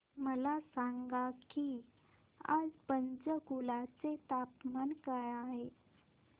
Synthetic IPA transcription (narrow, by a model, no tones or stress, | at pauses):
məlasaŋɡaki | a̰d͡zpənd͡zəɡulat͡set̪apmankajaɦe